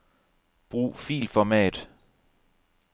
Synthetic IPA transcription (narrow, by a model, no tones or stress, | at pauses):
b̥ʁṵːfḭːlfɒmɛ̰ːd̥